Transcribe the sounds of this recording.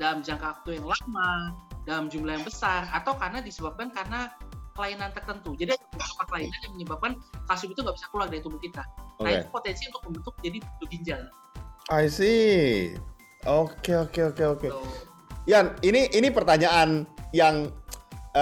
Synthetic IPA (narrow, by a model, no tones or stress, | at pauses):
dalamd͡ʒaŋkawak̚t̪ujaŋlamadalamd͡ʒumlajaŋbəsarat̪awkarnadisəbap̚kankarnakəlainant̪ərt̪ənt̪ud͡ʒadiaabusu̥kakəlainanjaŋməɲəbap̚kankasʊkit̪uŋɡabisakəluak̚daɾit̪ubʊkit̪aoaḛupot̪ɛnsiunt̪ʊk̚məmbənt̪ʊk̚d͡ʒadibəbiɲd͡ʒal | ajsi | okeokeokeoke | janiniʔinipərt̪aɲaʔanjaŋ